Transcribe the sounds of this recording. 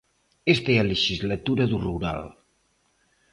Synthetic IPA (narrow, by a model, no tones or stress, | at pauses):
est̪eələʒizlət̪uɾəðuruɾa̰lˠ